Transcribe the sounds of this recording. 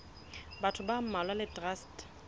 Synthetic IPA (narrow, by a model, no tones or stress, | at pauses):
batʰʊbam̩malwalɪtʼrast